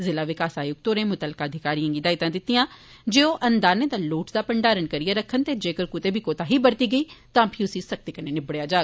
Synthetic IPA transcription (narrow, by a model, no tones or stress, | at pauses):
zɪlaːʋɪkaːsaːjʊɡ̚t̪oːɾẽːmʊt̪əlkaːd̪ʱɪkaːɾiãːɡid̪aːɪt̪ãːd̪ɪt̪ːijãː | d͡ʒeːoːʔənd̪aːnẽːd̪aːloːʈd̪aːpəɳɖaːɾənkəɾiaːɾəkʰːənt̪eːd͡ʒeːkəɾkʊt̪eːbʱiːkoːt̪aːɦiːbəɾt̪iːɡəiːt̪ãːpʰiʊsĩːsək̚t̪eːkəneːnɪbɽjaːd͡ʒaː